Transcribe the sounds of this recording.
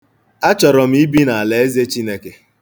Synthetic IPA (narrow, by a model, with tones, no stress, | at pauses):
a˦t͡ʃɔ˨ɾɔ˨m̩˦i˦bi˦na˨a˨le˨e˦ze˦t͡ʃi˦ne˦ke˦